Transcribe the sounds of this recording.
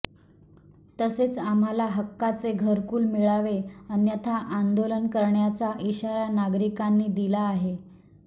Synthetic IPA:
t̪əset͡sam̤alaɦəkːat͡seɡʱəɾkuːlmiɭaʋeənjət̪ʰaʔand̪olənkəɾɳjat͡saʔiɕaɾanaɡɾikanːiːd̪ilaːɦe

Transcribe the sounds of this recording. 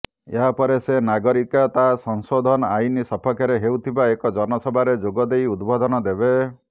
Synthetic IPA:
eɦapɔɾesenaɡɔɾikat̪asɔŋsod̪ʱɔnɔajnisɔpʰɔkjaɾeɦewt̪ʰibaekɔd͡ʒɔnɔsɔbʱaɾed͡ʒoɡɔd̪ejud̪bɔd̪ʱɔnɔd̪ebe

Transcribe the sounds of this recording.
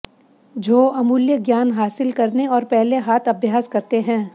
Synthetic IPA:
d͡ʒʱoːɐmuːljəɡjaːnɦaːsɪlkɐɾneɔːɾpɛɦleɦaːt̪ʰɐbʱjaːskɐɾt̪eɦɛ̃ː

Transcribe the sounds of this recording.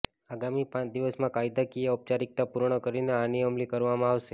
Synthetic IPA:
aɡamipãt͡ʃd̪iʋəsmãkajid̪akieɔp̚t͡ʃaɾik̚t̪apuɾɳ̃əkəɾineaniəmlikəɾʋamãaʋʃe

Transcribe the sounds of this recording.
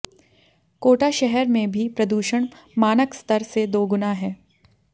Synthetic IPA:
koːʈaʃɛɦɛɾmẽbʱipɾɐd̪uːʃəɽ̃ | maːnəkst̪əɾsed̪oːɡʊnaɦɛː

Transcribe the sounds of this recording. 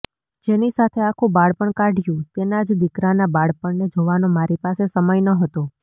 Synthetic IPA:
d͡ʒenisat̪ʰeakʰũbaɽpəɳkaɖʱjũt̪enad͡ʒd̪ikɾanabaɽpəɳned͡ʒoʋanomaɾipasesəməjnəɦət̪o

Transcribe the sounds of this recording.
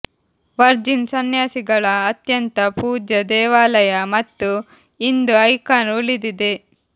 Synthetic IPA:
ʋɐɾd͡ʒinsɐnjaːsiɡɐɭɐːt̪jɐnt̪ɐpuːd͡ʒɐd̪ɛːʋaːlɐjɐmɐt̪ːu | ind̪uɐjkaːnulid̪id̪e

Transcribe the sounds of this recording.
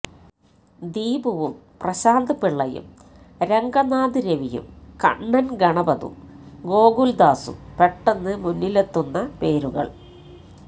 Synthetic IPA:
d̪iːbuʋumprɐɕaːnd̪ɐpiɭːɐjṵm | ɾeŋɡɐnaːd̪iɾeʋijṵmkɐ̰ɳːɐnɡɐɳɐbɐðṵmɡo̞ːɡuld̪aːsṵpeʈːenːɨmunːilet̪ːunːɐpe̞ːɾuɣɐ̰ɭ

